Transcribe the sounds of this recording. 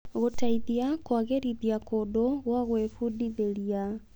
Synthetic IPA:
ɣotaiðjakwaɣeɾiðjakodoɣwaɣwefudiðeɾia

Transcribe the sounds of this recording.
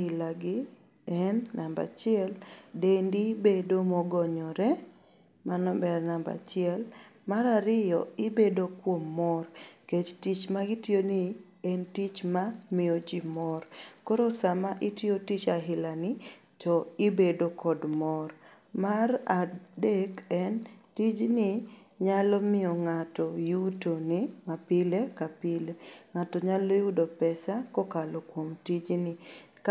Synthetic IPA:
ɪlaɡɪ | ɛnːamba̰t͡ʃɪɛldendibedomɔɡɔɲɔɾɛ | manɔbɛrnamba̰t͡ʃɪɛlmaɾaɾɪjɔ̰ɪbedokwomːɔrket͡ʃtit͡ʃmaɡɪtjoni | entit͡ʃmamɪod͡ʒimɔrkɔɾosamaʔɪtɪotit͡ʃaɦɪlanɪ | tɔɪbedokʰɔdmɔr | maɾadekɛntid͡ʒnɪ | ɲalɔmɪɔŋatɔjutonɪmapɪlekapɪleŋatɔɲalojudopɛsakokalokwomtid͡ʒnɪk

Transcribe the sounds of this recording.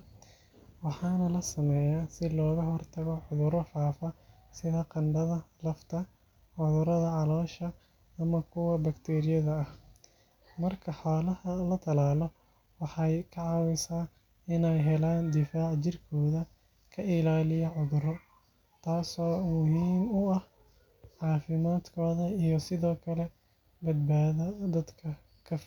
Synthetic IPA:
wɑħɑːnɐlɐsɐmɛːjaːsɪlɔːɣɐɦɔrt̪ʰɐɣɔʕʊðʊɾɔfaːfɐ | sɪðɐqɑnɖɐðɐlɐft̪ʰɐ | ʕʊðʊɾɐðɐʕɑlɔːʃɐː | mɐkʰʊwɐbɐkt̪ʰɛːɾɪjɐðɐːh | mɐrkʰɐħaːlɐhɐlɐt̪ʰɐlaːlɔ | wɑħɑjkʰɐʕɑwɪsaː | ɪnɛjɦɛlaːnd̪ɪfaːʕt͡ʃɪrkʰɔːðɐ | kʰɐɪlaːlɪjɐʕʊðʊɾɔ | t̪ʰaːsɔːmʊhiːmʊɐh | ʕɑːfɪmaːd̪kʰɔːðɐijɔsɪðɔːkʰɐlɛ | bɐd̪baːðɐd̪ɐd̪kʰɐ | kʰɐf

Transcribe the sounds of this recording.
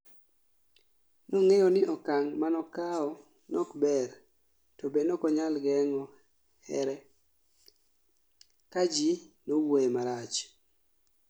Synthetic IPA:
nɔŋeɔnɪʔɔkaŋmanɔkaɔ | nɔkbɛr | tɔbenokɔɲalɡɛŋɔ | hɛ̰ɾɛ | kad͡ʒinowemaɾat͡ʃ

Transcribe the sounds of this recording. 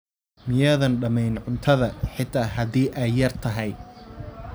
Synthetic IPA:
mɪjɐðɐnɖɐmɛjnʕʊnt̪ʰɐðɐħɪt̪ʰaːɦɐd̪iːʔɛjːɐrt̪ʰɐɦɛj

